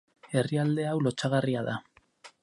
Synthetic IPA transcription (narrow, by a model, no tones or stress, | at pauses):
e̞riald̪e̞awlo̞t͡ʃaɣ̞ariaða